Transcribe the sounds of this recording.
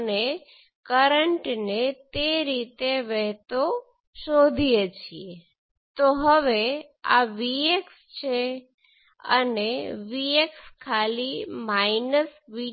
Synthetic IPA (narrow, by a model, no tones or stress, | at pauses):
ne | kəɾəɳʈnet̪eɾit̪eʋɛɦt̪o | ʃod̪ʱijet͡ʃʰie | t̪oɦəʋe | a̰ʋieks | t͡ʃʰe | ə̰neʋiekskʰalimainəsʋi